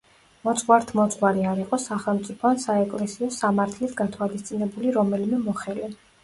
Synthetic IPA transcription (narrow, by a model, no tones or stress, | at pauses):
mɔt̪sʼqwaɾt̪ʰmɔt̪sʼqwaɾiaɾiqʼɔsaχɛlˠmt̪sʼipʰɔansaɛkʼlɛsiɔsamaɾt̪ʰlisʰɡat̪ʰwalist̪sʼinɛbuliɾɔmɛlmɛmɔχɛlɛ